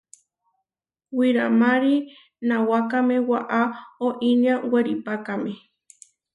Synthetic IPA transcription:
wiɾamãɾi | nãwakamẽwaʔaoʔiɲãŋɡʷweɾipakamẽ

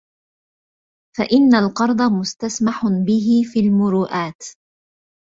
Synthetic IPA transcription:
faʔɪnːalqɑɾˤd̪ˤɑmʊst̪asmaħʊbɪɦɪfiːlmʊɾuːʔaːt̪

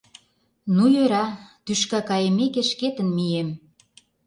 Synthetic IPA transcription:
nujøɾɑt̪yʃkɑkɑjĕmekeʃket̪ə̆nmiem

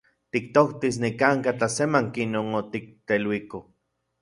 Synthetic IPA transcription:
t̪ik̚t̪oht̪is̬nikaŋkat͡ɬasemaŋkinoŋot̪ik̚t̪elwiko

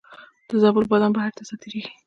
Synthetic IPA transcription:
d̪̥əzɑbəlbɑd̪ambahaɾt̪asɑt̪eɾeɡi̥

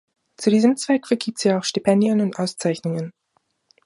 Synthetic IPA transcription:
t͡sudiːzəmt͡sv̥ɛkfɛɐɡiːp̚tz̥iːaʊxʃtipʰɛndiənʊntʔaʊst͡saɪçnʊŋən

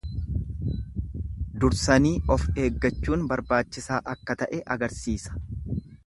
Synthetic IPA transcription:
d̪ʊɾsɐniːʔɔfe̞ːɡːɐt͡ʃːuːnbɐɾbaːt͡ʃːɪsaːʔɐkːɐt̪ɐʔɛʔɐɡɐɾsiːsɐ̥

